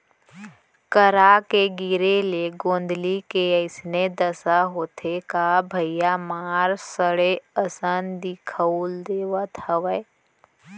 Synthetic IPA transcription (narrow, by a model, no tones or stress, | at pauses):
kəɾakeɡɪɾeleɡõːnd̪likeəɪsned̪əsaɦoːt̪ʰekabʱəijamaːɾsəɽeəsənd̪ikʰəuld̪eːʋət̪həʋə